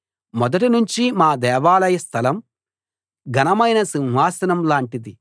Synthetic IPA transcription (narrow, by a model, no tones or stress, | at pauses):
mɔd̪ɐʈinuɲt͡ʃimaːd̪ɛːʋaːlɐjɐst̪ʰɐlɐm | ɡɐnɐmɐjnɐsinɦaːsɐnɐmlaːɳʈid̪i